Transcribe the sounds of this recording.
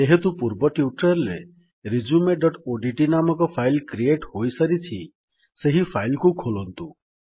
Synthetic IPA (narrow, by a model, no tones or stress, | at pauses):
t̪eɦet̪ũpuɾbɔʈjuʈəɾle | ɾid͡ʒumeɖɔʈoɖiʈinamɔkɔpʰajlkɾieʈɦojsəɾitʰḭ | seɦifʰajlkukʰolɔnt̪u